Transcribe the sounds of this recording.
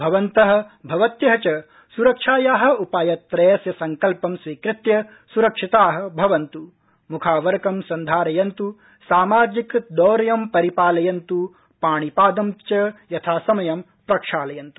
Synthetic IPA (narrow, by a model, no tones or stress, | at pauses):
bʱɐʋɐnt̪ɐɦɐ̆bʱɐʋɐt̪jɐɦɐt͡ʃɐ | suɾɐkʂaːjaːɦɐ̆upaːjɐt̪ɾeːsjɐsɐŋkɐlpɐmsʋiːkɾɪt̪jɐ | suɾɐkʂit̪aːɦɐ̆bʱɐʋɐnt̪u | mukʰaːʋɐɾkɐmsɐnd̪ʱaːɾɐjɐnt̪u | saːmaːd͡ʒikd̪ɔːɾɐjɐmpɐɾipaːlɐjɐnt̪u | paːɳ̃ipaːd̪ɐmt͡ʃɐjɐt̪ʰaːsɐmɐjɐm | pɾɐkʂaːlɐjɐnt̪u̥